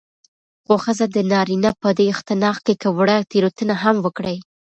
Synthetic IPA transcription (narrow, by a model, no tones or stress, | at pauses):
ɣoxəzad̪ənɑɾinapəd̪eɪxt̪ɪnɑxkekəwɽat̪eɾot̪ənaɦamwəkɽəj